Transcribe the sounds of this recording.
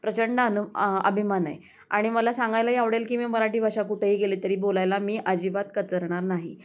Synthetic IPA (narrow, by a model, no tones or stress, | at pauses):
pɾət͡ɕəɳɖəənuə̰bʱimanə̰j | a̰ɽ̃iməlasaŋɡajlaɦiaʋɽelkiːmiːməɾaʈiːbaʂakuʈʰeɦiːɡeliːt̪əɾiːbolajlamiːʔad͡ʑibat̪kət͡səɾɳ̃aɾnaɦi